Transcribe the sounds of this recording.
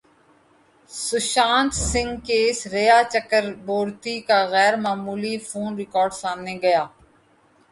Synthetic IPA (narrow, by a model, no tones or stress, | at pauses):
sʊʃãːnt̪sɪ̃ŋɡkeɪsɾejaːt͡ʃəkəɾboːɾt̪iːkaɣɛːɾmaːmuːlifʰuːnɾɪkɔːɾɖsaːmneɡɐjaː